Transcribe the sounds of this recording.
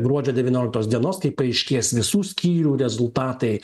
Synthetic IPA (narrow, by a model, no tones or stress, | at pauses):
ɡɾuɔd͡ʒʲoːd̪ʲɛʋʲiːnʲoːlʲkt̪oːsd̪ʲiɛnoːskɐɪpɐɐɪʃʲkʲeːsʋʲɪsuːsʲkʲiːɾʲuːɾʲɛzʊlˠt̪ɑːt̪ɐɪ